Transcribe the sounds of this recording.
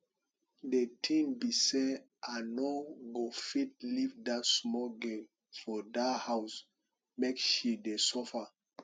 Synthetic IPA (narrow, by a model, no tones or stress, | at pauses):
detʰĩmbise | anoɡofit̚livdatsmɔɡɛl | fɔdahaws | mekʃidesɔfa